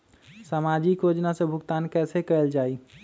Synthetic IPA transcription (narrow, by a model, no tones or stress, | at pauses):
saːmaːd͡ʒikjoːd͡ʒnasebʱʊkt̪aːnkɛːsekəəld͡ʒaːi